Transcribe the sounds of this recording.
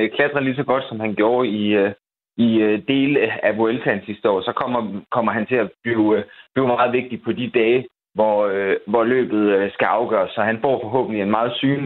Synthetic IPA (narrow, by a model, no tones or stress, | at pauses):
kʰlæd̥ʁɐlisɒ̽ɡ̥ɒ̽d̥sɒ̽mhænɡ̥jo̝ːɐi | iød̥e̝̰ːləæboelt͡sʰænsisd̥əɒ̰ːsɒ̽kʰɒ̽m̰ɐkʰɒ̽m̰ɐɦænt͡sʰe̝læb̥liʊb̥liʊmɑ̈ːð̞̩ˠʋe̝ɡ̥̚d̥ipʰɒ̽d̥id̥ɛː | ʋɒøʋɒlø̰ːb̥ð̞̩ˠøsɡ̥æɑ̈ʊɡ̥ɶ̰ːɐsːɒ̽ɦænb̥o̝ɐfɒ̽ɦɔ̰̽ːb̥̚n̩lie̝nmɑ̈ːð̞̩ˠsyːn